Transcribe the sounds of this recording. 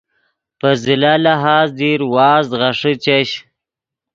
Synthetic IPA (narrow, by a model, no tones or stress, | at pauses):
pəzɪlalaɦaːzd̪iɾwɑːzɣaʂət͡ʃaɕ